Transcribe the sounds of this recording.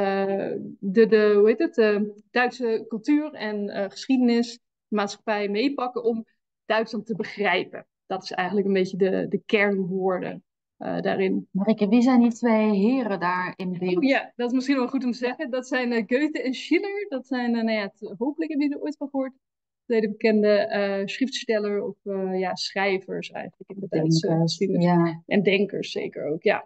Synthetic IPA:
ə | dədəɦuɦejtətəd̥œɥtsəkɵlˠtyːrɛnəχə̥sχidənɪs | əmaːtsχḁpɛjmejpɑkəʔɔm | d̥œɥtslɑntəbəχrɛjpə̰ | d̥ɔtɪ̥sɛ̰jχəntləkənbejtədədəkɛɹnʋʊːɹdə̰ | da̰ːrɪnmarikəʋizɛjnditʋejɦɪːɾədaːɹɪnbɪjadɔtɪs̬mɪsχinɔʋɛlˠχutɔmtəzɛχədɔtsɛjnɡøɥtəɛnʃiləɹdɔtsɛjnnajatɦowpələkɦɛbəidəɹojtfɔnˠχəʊːɹt | tʋejdəbəkɛndəsχrɪftstɛləɹɔfəjasχrɛjvəɹsɛ̰jχəntləkɪndədɛsstinəʔɛndɛŋkə̰ɹsːḛjkə̰ɹo̰wkja̰

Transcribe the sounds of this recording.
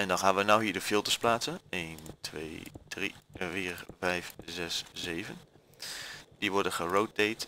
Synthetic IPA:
ɛndɑnχaːnʋənawɦiːɹdəfɪlˠtəɹsplaːtsənejntʰʋḛjdrḭviːrvɛjfzɛszejvən | d̥iʋɔɹdənχərowt̚dejt

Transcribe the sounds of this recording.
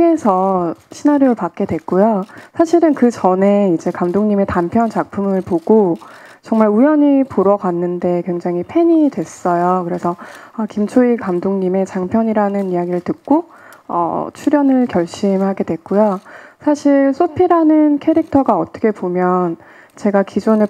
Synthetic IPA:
esʰʌɕʰinaɾjoɯɭpak̚k͈e̞dwe̞k̚k͈ujosʰaɕʰiɾɯnkɯt͡ɕʌne̞id͡ʑe̞kamdoŋɲime̞tampʰjʌnt͡ɕak̚pʰumɯɭpoɡ̥ot͡ɕʌŋmaɭujʌɲipoɾʌɡwanːɯnde̞kwe̞ŋd͡ʑaŋipʰe̞ɲidwe̞s͈ʌjokɯɾe̞sʰʌʌkimt͡ɕʰoikamdoŋɲime̞t͡ɕaŋpʰjʌɲiɾanɯnijaɡiɾɯɭtɯk̚k͈o | ʌ̰t͡ɕʰuɾjʌnɯɭkjʌɭɕ͈imhaɡe̞dwe̞k͈ujosʰaɕʰiɭsʰopʰiɾanɯnkʰe̞ɾik̚tʰʌɡaʌt͈ʰʌ̥kʰe̞pomjʌn | t͡ɕe̞ɡakid͡ʑune

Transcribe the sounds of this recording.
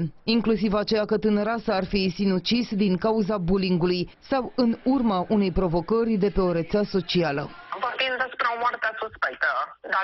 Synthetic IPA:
iŋklusivat͡ʃe̞jakət̪ɨnəɾasəarfisinut͡ʃisd̪iŋkauzabuliŋɡuluj | sawɨnurmaʔune̞jpɾo̞vo̞kərʲd̪e̞pe̞o̞ɾet̪seaso̞t͡ʃialəvafinzasu̥pɾaomoart̪easuspek̚t̪əd̪a

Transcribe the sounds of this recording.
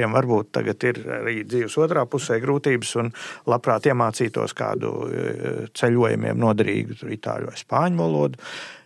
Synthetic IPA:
iɛmʋaɾbuːt̪ːa̰ɡat̪iɾa̰ɾiːd̪ziːʋsuɔt̪ɾaːpusɛjɡɾuːt̪iːbəsunlˠapɾaːt̪iɛmaːt̪siːt̪ṵɔskɑ̰ːd̪ṵ | t̪sɛʎuɔjṵmḭɛmnuɔd̪ɐɾḭːɡut̪uɾit̪a̰ːlʲʋa̰jspaːɲʊvalˠuɔd̪ʊ

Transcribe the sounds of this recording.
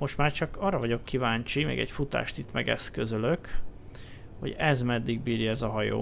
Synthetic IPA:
mo̞ʃt̪maːrt͡ʃɒkɒːrɒvɒɟo̞kːivaːɲt͡ʃimɛ̰ːɡɛ̰cfut̪a̰ːʃt̪it̪mɛɡɛ̰skø̞zøløk | ho̞̰ɟɛzmɛd̪ːiɡbiːɾjɒɛzɒɦɒjo̰ː

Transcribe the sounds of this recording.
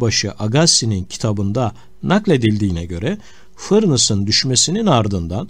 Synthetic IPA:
baʃɯʔaɡasinincʰi̥t̪ʰabɯnd̪a | naklʲe̞d̪ilʲd̪iːnɛɟø̞ɾɛ | fɯɾnɯsɯnd̪yʃme̞sininaɾd̪ɯnd̪an

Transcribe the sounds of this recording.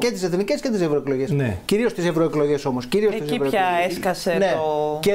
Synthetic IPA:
cet̪iseθnice̞sce̞t̪isevɾoeklo̞ʝesnḛciɾio̞st̪isevɾo̞eklo̞ʝe̞so̞mosciɾiot̪isivɾoeçɐeskɐseneoce

